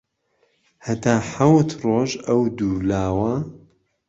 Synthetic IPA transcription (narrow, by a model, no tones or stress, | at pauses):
hɐt̪aːħawt̪roːʒɐwd̪uːlaːwɐ